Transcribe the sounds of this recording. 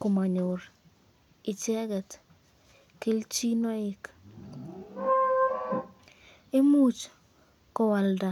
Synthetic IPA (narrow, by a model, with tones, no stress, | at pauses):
ko˨ma˨ɲo˨ɾ | ɪ˨t͡ʃɛ˦ɡɛ˨t | ke˦lt͡ʃi˦nɔ˦ɪ˦k | e˦mu˦t͡ʃ | kɔ˨wa˨lda˨